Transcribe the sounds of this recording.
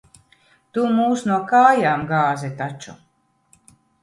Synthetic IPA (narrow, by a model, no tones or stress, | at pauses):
t̪umuːsnuɔkaːjaːmɡaːzɛt̪at͡ʃu